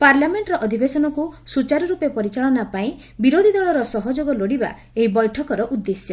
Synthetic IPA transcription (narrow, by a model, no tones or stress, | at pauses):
paɾlameɳʈɾɔʔɔd̪ʱibesɔnɔkusut͡ʃaɾɔɾupepɔɾit͡ʃaɭɔnapaĩ | biɾod̪ʱid̪ɔɭɔɾɔsɔɦɔd͡ʒoɡɔloɽiba̰ | eɦibɔjʈʰɔkɔɾɔʔud̪ːesjɔ